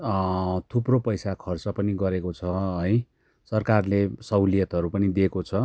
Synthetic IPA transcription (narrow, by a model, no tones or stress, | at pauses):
t̪ʰupropʌjsakʰʌrt͡sʌpʌniɡʌɾekot͡sʰʌɦʌj | sʌrkarlesʌwlijʌt̪ɦʌɾupʌnid̪ekot͡sʰʌ